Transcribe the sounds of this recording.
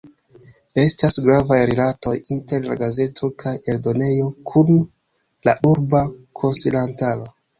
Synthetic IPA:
e̞stasɡɾavajɾilato̞jinte̞ɾla̰ɡaze̞tʰo̞kʰaje̞ldo̞ne̞jo̞kʰun | laʔuɾbakʰo̞nsilantalo̞

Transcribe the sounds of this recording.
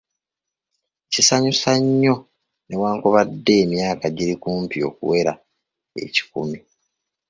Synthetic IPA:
cisaɲusaɲːo̞ | ne̞waːŋkoβadːe̞ːmjaːkaɟiɾikuːmpio̞̰ːkṵwe̞ɾa | e̞̰ci̥kumi

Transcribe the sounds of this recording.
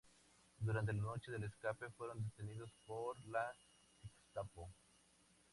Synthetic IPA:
d̪uɾant̪elano̞t͡ʃe̞ðeleskape̞fwe̞ɾo̞nd̪et̪eniðospoɾla | ekst̪apo

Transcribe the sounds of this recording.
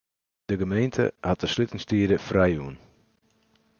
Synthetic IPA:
d̥əɡəmejntʰə̰hat̚əslytɪŋstiədəfrɛjuən

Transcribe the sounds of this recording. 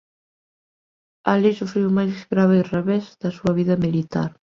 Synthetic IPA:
alisufɾiwmajsezɣɾaβeireβezðɐsuɐβiðɐmilit̪a̰ɾ

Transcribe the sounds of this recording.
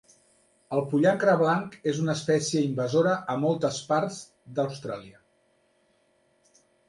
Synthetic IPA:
əlˠpuʎaŋkɾəβ̞laŋkezunəːspɛsjəimbəzoɾəʔəmɔlˠt̪əspaɾz | d̪əwst̪ɾaliə

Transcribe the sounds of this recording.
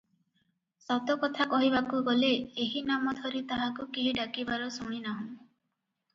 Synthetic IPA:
sɔt̪ɔkɔt̪ʰakɔɦibakuɡɔleːɦinamɔt̪ʰɔɾit̪aɦakukiɦiɖakibaɾɔsuɽ̃inaɦũ

